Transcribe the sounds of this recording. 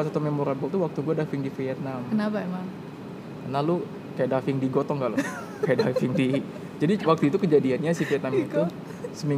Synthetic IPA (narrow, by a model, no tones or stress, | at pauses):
sat̪umemoɾanbɔlt̪̬uwak̚t̪uɡuadafɪŋdifiat̪̚namkənapaemaŋ | kanalu | kajaʔdafɪŋdiɡot̪ɔŋɡaʔlɔ | kajadafɪŋdi | d͡ʒadiwak̚t̪uit̪̬ukəd͡ʒadianɲasifiat̪̚namik̪u | səmi